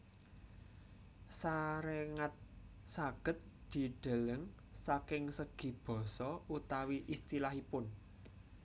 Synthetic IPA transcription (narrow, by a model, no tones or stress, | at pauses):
saɾeŋat̪̚ | saɡ̥ə̤t̪̚d̪̥i̤ɖ̪̥a̤ləŋ | sakɪŋsəɡ̥i̤b̥ɔ̤sɔut̪awiʔist̪ilahipʊn